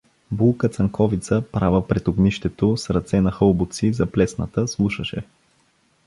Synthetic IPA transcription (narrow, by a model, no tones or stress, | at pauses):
bulˠkət̪sɐŋkɔvit̪səpɾavəpɾɛt̪oɡniʃt̪ɛt̪osɾɐt̪sɛnɐxɤlˠbʊt̪sizɐplɛsnət̪əslˠuʃəʃɛ̰